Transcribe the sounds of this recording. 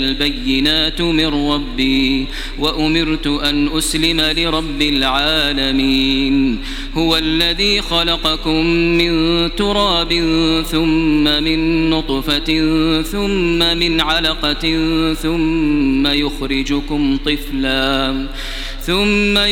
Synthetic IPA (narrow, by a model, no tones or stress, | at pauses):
lbajːɪnaːt̪mɪrːɑbːiː | waʔʊmɪɾt̪ʊʔanʔʊslɪmalɪɾˤɑbːɪlʕaːlamiːn | hʊwaʔlːaðiːxalɑqɑkʊmːɪnt̪ʊɾˤɑːbɪnθʊmːamɪnːʊt̪ˤfaθʊmːamɪnʕalaqɑθʊmːajʊxɾɪd͡ʒʊkʊmt̪ˤɨflaː | θʊmːa